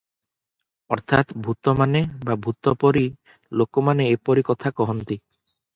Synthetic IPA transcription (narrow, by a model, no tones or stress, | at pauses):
ɔɾt̪ʰat̪bʱut̪omanebabʱut̪ːopɔɾi | lokomaneepɔɾikɔt̪ʰakɔɦont̪i